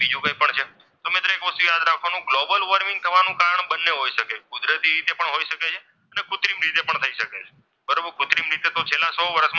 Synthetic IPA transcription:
bid͡ʒũkəipəɳt͡ʃʰe | t̪omɪt̪ɾoekʋəst̪ujad̪ɾakʰʋanũɡlobəlʋəɾmɪ̃ŋɡ̚t̪ʰəʋanũkaɾəɳbənːeɦojʃəkekud̪ɾət̪iɾit̪epəɳɦoiʃəket͡ʃʰe | ənekʰʊt̪ɾimɾit̪epəɳt̪ʰəiʃəket͡ʃʰe | bəɾəbkʊt̪ɾimɾit̪et̪ot͡ʃʰelːãsɔʋəɾəʃm

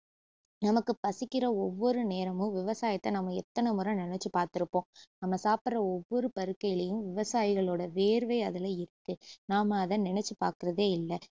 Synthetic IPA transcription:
nɐmɐkːɯpɐsɪkːɪɾɐɔʋːɔɾɯneːɾɐmɯ̃ʋɪʋɐsaːjɐt̪ːɐnɐmːɐɛt̪ːɐnɐmʊɾɐ̃nɪnɛt͡ʃːɯpaːɾt̪ɪɾɯpːõːnɐmːɐsaːpɯɾɐɔʋːɔɾɯpɐɾɯkːɐjɪlɐjɯ̃ʋɪʋɐsaːjɪɣɐɭoːɽɐʋeːɾɯʋeːɐðɪlɐɪɾɯkːɯnaːmɐːðɐnɪnɛt͡ʃːɯpa̰ːɾkɯɾɐðeːɪlːɐ

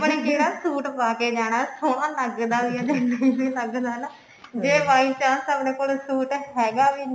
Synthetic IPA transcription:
pɽeːkeːɾaːsuːʈpaːkeːd͡ʒaːɽ̃aːsoːɽãːləɡd̪aːʋiãːd̪eːd̪iːbiːləɡd̪aːnə | d͡ʒeːʋaːiːt͡ʃãːsəːbnẽːkoːlsuːʈɦɛːɡaːʋiː

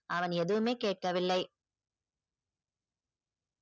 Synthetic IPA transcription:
ʔɐʋɐnɛðɯʋɯmeːkeːʈ̚kɐʋɪlːɐɪ

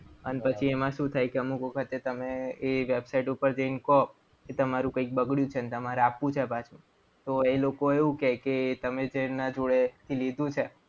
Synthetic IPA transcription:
ə̰npət͡ʃʰiemãʃũt̪ʰajkeəmukʋəkʰət̪et̪əmeːʋebsaiʈupəɾd͡ʒəinkɔp | ket̪əmaɾũkəik̚bəɡɭjũt͡ʃʰenet̪əmaɾeapːũt͡ʃʰepat͡ʃʰmã | t̪oelokoeʋũkɛket̪əmed͡ʒenad͡ʒoɭet̪ʰilid̪ũt͡ʃʰe

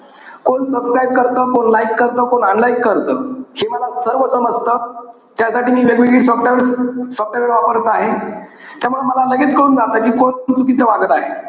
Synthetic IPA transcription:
koɳsəbskɾaib̚kəɾt̪əːkoɳlaikːəɾt̪əːkoɳəɳlaikːəɾt̪əːhiːməlasəɾʋət͡səməst̪əː | t̪jasaʈiːmiːʋjəɡʋiɡiːsɔpʈaʋsɔp̚ʈaʋəɾʋapəɾt̪əaɦet̪jamuɭeməlaləɡiːt̪kəɽuːnd͡zat̪əkiːkonnt͡sukit͡seʋaɡət̪aɦe

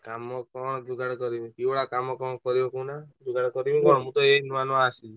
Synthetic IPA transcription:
kamɔkɔɽ̃ɔd̪uɡʱaɽkɔɾimĩkibɔɽakamɔkɔ̃kɔɾibɔkunad̪uɡʱaɽkɔɾimĩkɔɽ̃mũt̪ɔeɦnumanɔasi

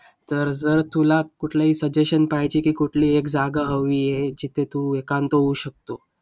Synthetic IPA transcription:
t̪əɾd͡zəɾt̪ulakuʈʰlaɦiːsəd͡ʑeɕənpajt͡ɕiːkiːkuʈʰliːekd͡zaɡaɦəʋiːjed͡ʑit̪ʰet̪uekant̪oɦuːɕək̚t̪o

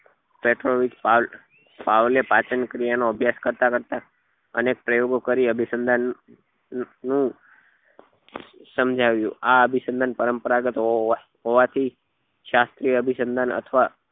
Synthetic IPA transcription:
peʈɾoʋit̪pal | paʋlepat͡ʃənkɾijanoəbʱjaskəɾt̪akəɾt̪a | ə̰nek̚pɾəjoɡokəɾiəbʱisənd̪ʱan | ũ | səmd͡ʒʱaʋjṵ̃aəbʱisənd̪ʱanpəɾəmpəɾaɡət̪ɦo | ɦoʋat̪ʰi | ʃast̪ɾijəbʱisənd̪ʱanə̰t̪ʰʋa

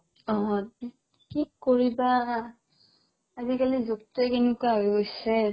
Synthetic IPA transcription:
ɔ | kikkːoɹiba | azikalizuk̚tkenʊkuaɦojɡojsɛ

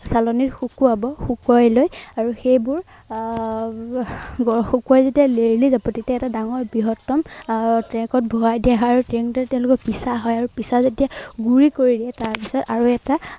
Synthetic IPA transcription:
salɔniɹxukuabɔxukɔjlojaɹuxejbʊɹ | ɡɔxukuɔjzedialeɹilizabɔtetɛɛtadaŋɔɹbiɦɔtːɔmtɹɛŋkɔt̚bʱɔɦajdijaɦɔjaɹutɹeŋktɛtɛʊ̃lʊkɔkpisaɦɔjaɹupisazedijaɡuɹikoɹidiɛtaɹpisɔtaɹuɛta

